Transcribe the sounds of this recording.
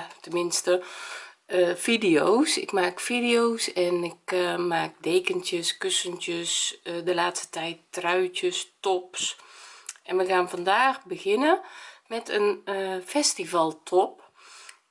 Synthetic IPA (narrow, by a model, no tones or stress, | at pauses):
tənmɪnstə | fidiosɪ̰kmaːkfidioːsɛnɪkmaːk̚deːkəntjəskøsəntjəsdəlaːtstə̥tɛjtːrœɥtjəstɔps | ʔɛnʋəxaːnfandaːxbəɣɪnəmɛtʰənfɛstivalˠtʰɔp̚